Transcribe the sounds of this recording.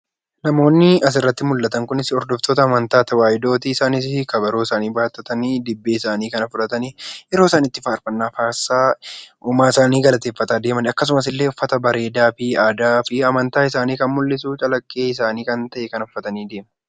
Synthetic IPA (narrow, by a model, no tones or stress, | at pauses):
nɐmo̞ːnːɪɐs̬ɪrːɐt̪ːɪmʊlːɐt̪ɐŋkʊnɪsɪɔɾd̪ɔft̪oːt̪ɐːmɐnt̪aːt̪ɐwaːjɪd̪o̞ːt̪iːsaːnɪskɐbɐɾoːɪsaːniːbaːt̪ːɐt̪ɐniːd̪ɪbːeːɪsaːniːkɐnɐfʊdɐt̪ɐniɛɾo̞ːɪsaːniːt̪ːɪfaːɾfɐnːaːfaːsːaːʊmaːɪsaːniːɡɐlɐt̪e̞ːfːɐt̪aːd̪e̞ːmɐnɐkːɐs̬ʊmɐs̬ɪlːeːʊfːɐt̪ɐbɐɾe̞ːd̪aːfɪaːd̪aːfɪɐmɐnt̪aːɪsaːniːkɐnmʊlːɪsuːt͡ʃʼɐlɐkʼːe̞ːɪsaːniːkɐnt̪ɐʔɛkɐnɔfːɐt̪ɐniːd̪e̞ːmɐ